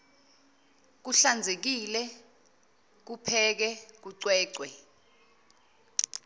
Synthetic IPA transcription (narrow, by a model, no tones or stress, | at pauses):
k̬uɬand͡zʱek̬ilɛ | k̬upʰɛk̬ɛk̬uǀwɛːǀwɛ